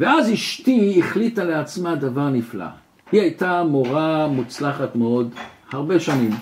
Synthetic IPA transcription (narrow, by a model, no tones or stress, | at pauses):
veaziʃtiːχlitaleat͡smadavaʁnifla̰ | hiajtamoʁamut͡slaχatmeo̞d̪haʁbe̞ʃanim